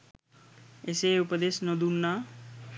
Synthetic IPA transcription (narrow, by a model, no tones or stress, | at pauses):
eseupəd̪esnʌd̪unːa